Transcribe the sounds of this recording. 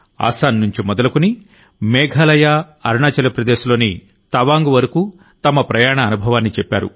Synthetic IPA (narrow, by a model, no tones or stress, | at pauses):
a̰ːsaːnːuɲt͡ʃimɔd̪ɐlɐkuni | mɛːɡʱɐlɐja | ɐɾɳaːt͡ʃɐlɐpɾɐd̪eːʃlo̞ːni | t̪ɐʋaːŋɡuʋɐɾɐku | t̪ɐmɐpɾɐjaːɳɐːnubʱɐʋaːnːit͡ʃɛpːaːɾṵ